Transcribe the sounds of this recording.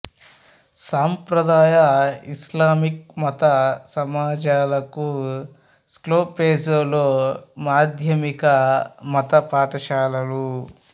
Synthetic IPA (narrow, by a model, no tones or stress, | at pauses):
saːmpɾɐd̪aːjɐislaːmik̚mɐt̪ɐsɐmaːd͡ʒaːlɐku | skloːpeːsoːloːmaːd̪ʱjɐmikɐmɐt̪ɐpaːʈɐʃaːlɐlu